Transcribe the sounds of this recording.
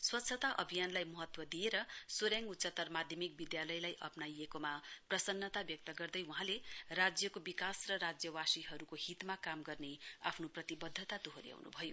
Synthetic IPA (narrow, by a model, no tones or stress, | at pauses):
swʌt̪ːsʰʌt̪aʔʌ̰bʱijanlajmʌɦʌt̪wʌd̪ieɾʌsoɾjaŋut̪ːsʌt̪ːʌrmad̪ʱjʌmik̚bid̪jalʌjlajʔʌpnajekomaprʌsʌnːʌt̪abjʌk̚t̪ʌɡʌrd̪ʌjuɦãlerad͡zjʌkobikasrʌɾad͡zjʌwasiɦʌɾukohit̪makamɡʌrneapʰnoprʌt̪ibʌd̪ʱːʌt̪ad̪uɦoɾja̰wnṵbʱʌjo